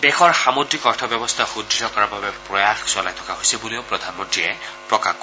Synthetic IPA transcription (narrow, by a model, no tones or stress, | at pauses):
dɛxɔɹxamodɹikɔɹtʰɔbjɔbɔst̪ʰaxudːiɦɔkɔɹababɛpɹɔjaxsʊalajtʰɔ̥kaɦojsɛbuleʊpɹɔd̪ʱanmɔntɹiɛpɹɔka